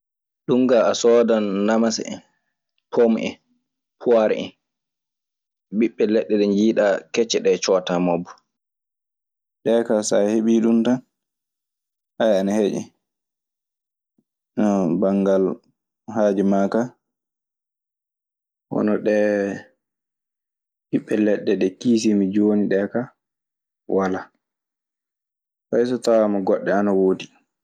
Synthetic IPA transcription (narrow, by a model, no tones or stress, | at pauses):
ɗuŋɡaasɔːdannamasɛ̰n | pʰomʔɛ̰ | pʰuwaɾɛ̰ɛ̰n | biɓːɛlɛɗːɛɗɛɲd͡ʒiːɗakɛt͡ʃːɛɗɛt͡ʃɔtamabːɔ̥ | ɗɛːkasaheɓiɗuntan | ʔajanahed͡ʒɛ̰ | nɔbaŋɡal | haːd͡ʒimaka | wɔ̰nɔɗɛ | hiɓːɛlɛɗːɛɗɛkiːs̬imid͡ʒoniɗɛka | wala | fajs̬ɔtawamaɡɔɗːɛanawoːdi